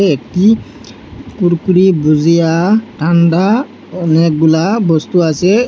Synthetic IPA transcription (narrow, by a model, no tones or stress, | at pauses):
ɛk̚ʈi | kuɾkuɾibuzijaʈʰanda | ɔnɛk̚ɡulabɔst̪uasɛ